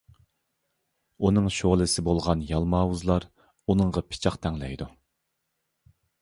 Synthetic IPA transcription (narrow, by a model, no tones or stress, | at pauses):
unɨŋʃoʁlˠɨsɪbolˠʁɑnjɑlˠmɑːwuzlˠɑɾ | unɨŋʁɑpʰɪ̥t͡ʃʰɑqt̪ʰɛŋlɛjd̪u